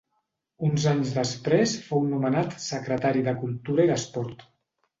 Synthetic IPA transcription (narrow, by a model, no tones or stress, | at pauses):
unzaɲzðəspɾesfownumənat̪səkɾət̪aɾiðəkulˠt̪uɾəiðəspɔɾt̪